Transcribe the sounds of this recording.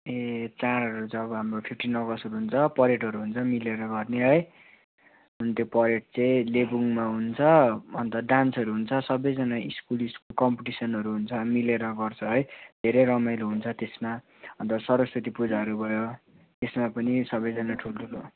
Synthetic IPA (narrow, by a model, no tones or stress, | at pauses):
et͡saɾʌɾut͡sʌbʌɦamropʰipʰʈinʌɡʌsʌɾuɦunt͡sʰʌpʌɾeʈɦʌɾuɦunt͡sʰʌmileɾʌɡʌrneɦʌj | unt̪jopʌɾeʈ̚t͡sʌj̃lebuŋmaɦunt͡sʰʌʌnt̪ʌɖansʌɾuɦunt͡sʰʌsʌbʌjd͡zʌnaiskuliskokʌmpiʈisʌnɦʌɾuɦunt͡sʰʌmileɾʌɡʌrt͡sʰʌɦʌjd̪ʱeɾʌjɾʌmajluɦunt͡sʰʌt̪esma | ʌnt̪ʌsʌɾʌswʌt̪ipud͡zaɾubʱʌjo | t̪esmapʌnisʌbʌjd͡zʌnaʈʰulʈʰulo